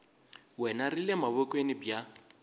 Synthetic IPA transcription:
wɛnarilemaβʊkʼwenɪbja

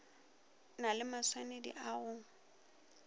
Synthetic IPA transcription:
nalɪmaswanedḭʔaɣʊ

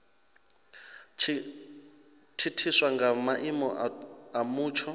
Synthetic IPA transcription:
tʰitʰiswaŋɡamaʔimɔamuːt͡ʃʰɔ

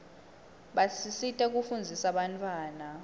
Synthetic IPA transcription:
ɓasisitʼɛk̬ufund͡zʱisaɓantʰʼwaːna

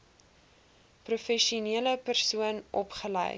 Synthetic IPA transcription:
prufɛʃuniələpərsuənʔɔpχələ̰j

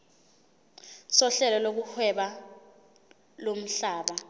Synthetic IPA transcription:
sɔɬɛlɔlok̬uhʰwɛɓa | lom̩ɬaːɓa

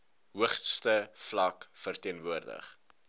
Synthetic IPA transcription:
ɦuəχtstəflɐkfərtiənvuərdə̰χ

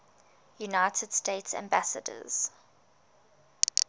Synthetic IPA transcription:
junaɪtʰəd̥steɪtsã̰mbæsə̰də̰z̥

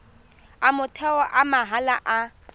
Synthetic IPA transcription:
amʊtʰɛɔʔamaɦalaʔa

